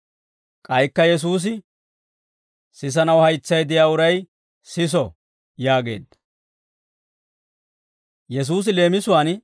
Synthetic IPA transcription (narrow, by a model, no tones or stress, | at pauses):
kʼɐjkːɐjɛs̬uːs̬ɪ | sɪs̬ɐnɐwhɐjt͡sːɐjd̪ɪjaːʊɾɐj | sɪs̬ɔ | jaːɡe̞̰ːd̪ːɐ̥ | jɛs̬uːs̬ɪle̞ːmɪsʊwaːn